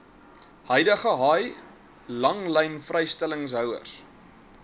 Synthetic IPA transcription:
hœjdəχəɦɑːj | lɐŋlɛjnfrɛjstɛləŋs̬ɦœwə̰rs

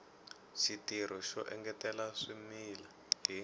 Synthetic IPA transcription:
ʃitiɾ̤ɔʃɔ̰ʔɛŋɡɛtɛlaʂimiːla | ɦi

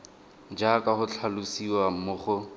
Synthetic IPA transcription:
d͡ʒakahʊt͡ɬʰalusiwamʊχʊ

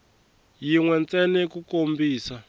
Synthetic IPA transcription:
jiŋwɛnt͡sɛnɛkukombiːsa

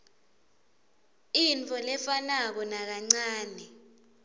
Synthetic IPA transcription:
int͡fʰʼɔlɛfanak̬ɔnak̬aŋ͡ǀaːnɛ

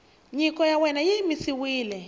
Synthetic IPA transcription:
ɲikʼɔjawɛnajimisiwiːlɛ

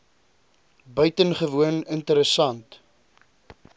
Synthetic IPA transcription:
bœɥtənχəvuənəntəɾəsɐnt

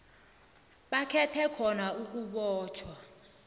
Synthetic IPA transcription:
ɓakʰɛtʰɛkʰɔnauk̬ʼuɓɔːt͡ʃʰwa

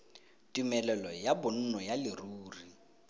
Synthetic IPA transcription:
tʼimɛlɛlɔjabʊn̩nɔjalɪruːri

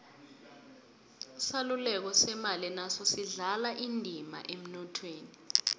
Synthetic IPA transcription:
salulɛk̬ɔsɛmalinasɔsiɮalaʔindʱima̰ʔem̩nɔtʰweːni

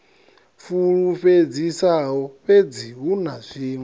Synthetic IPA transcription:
fuɺuɸed͡zisaɦɔɸed͡ziɦunazʷiːŋɛ

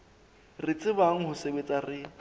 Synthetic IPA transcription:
rɪt͡sʼɪbaŋ̩hʊsebet͡sʼarɪ

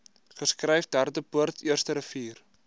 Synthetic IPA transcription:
χəskrɛjfdærdəpuərtʰiərstəɾəfiːr

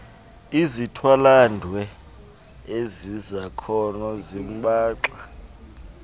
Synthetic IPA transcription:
izitʰwalandʱwɛ | ezizakʰɔnɔzim̩ɓaːǁa

